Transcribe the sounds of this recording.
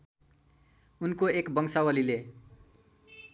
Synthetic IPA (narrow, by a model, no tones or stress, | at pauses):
unkoekbʌŋsawʌlile